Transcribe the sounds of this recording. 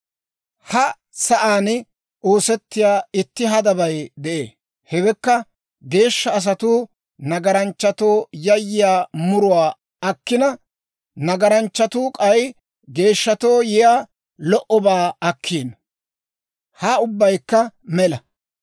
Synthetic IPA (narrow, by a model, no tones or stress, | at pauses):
hɐ | sɐʔaːn | ʔoːsɛt̪ːɪjaːɪt̪ːɪɦɐd̪ɐbɐjd̪ɛʔḛː | hɛbɛkːɐ | ɡe̞ːʃːɐːs̬ɐt̪u | nɐɡɐɾɐnt͡ʃːɐt̪o̞ːjɐjːɪjaːmʊɾʊwaː | ɐkːɪnɐ | nɐɡɐɾɐnt͡ʃːɐt̪uːkʼɐj | ɡe̞ːʃːɐt̪o̞ːjɪjaː | lɔʔɔbaːɐkʰːiːn | haːʊbːɐjkːɐmɛlɐ